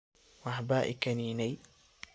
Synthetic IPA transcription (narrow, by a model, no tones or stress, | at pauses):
wɑħbaːʔɪ̰kʰɐniːnɛj